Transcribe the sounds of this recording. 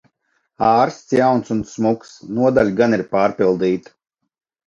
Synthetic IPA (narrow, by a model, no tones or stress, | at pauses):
aːɾst̪sjawnsunsmuksnuɔd̪alʲɡaniɾpaːɾpilˠd̪iːt̪